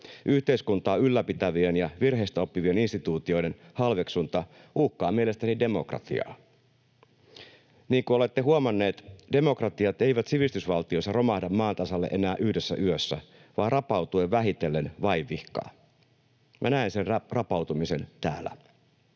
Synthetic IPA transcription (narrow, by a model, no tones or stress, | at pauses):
ʔyht̪eiskunt̪ɑːylːæpit̪æʋienjɑʋirɦeist̪æo̞pːiʋie̞ninst̪it̪uːt̪io̞jdenhɑlʋeksunt̪ɑ | uːhkːɑːmielest̪ænide̞mo̞krɑ̰t̪ḭɑ̰ː | niːŋkuo̞le̞t̪ːeɦuomɑnːe̞ːt̪de̞mo̞krɑt̪iɑt̪e̞iʋæt̪siʋist̪ysʋɑlt̪ioisːɑro̞mɑhdɑmːɑːnt̪ɑsɑlːḛʔenæːʔyhdesːæ̰ʔyøsːæ̰ | ʋɑːrɑpɑwt̪ueʋʋæɦit̪elːenʋɑiʋːihkɑ̰ː | mʔæ̰næeinsenrɑpɑwt̪umise̞nt̪æ̰ːlːæ̰